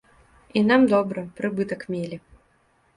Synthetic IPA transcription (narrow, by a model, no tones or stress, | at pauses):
inamd̪ɔbɾɐpɾɨbɨt̪ɐkmʲelʲi